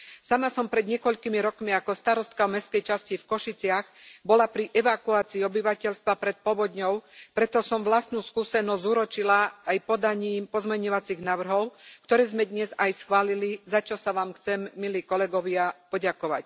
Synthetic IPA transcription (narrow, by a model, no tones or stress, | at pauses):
samasɔmpɾɛd̪ɲɪɛkɔʎkimiɾɔkmiakɔst̪aɾɔst̪̚kaɔmɛskɛjt͡ʃascifkɔʃit͡sɪaɣbɔlapɾiʔɛʋakuaːt͡siːɔbiʋacɛʎst̪ʋapɾɛt̪̚pɔʋɔd̪ɲɔʊpɾɛt̪ɔsɔmʋlast̪nuːskuːsɛnɔzʲzuːɾɔt͡ʃilaːjpɔd̪aɲiːmpɔzmɛɲɔʋat͡siɣnaːʋr̩ɦɔʊkt̪ɔɾɛːzmɛd̪ɲɛzajsxʋaːlilizat͡ʃɔsaʋaːmxt͡sɛmːiliːkɔlɛɡɔʋɪapɔɟakɔʋa̰c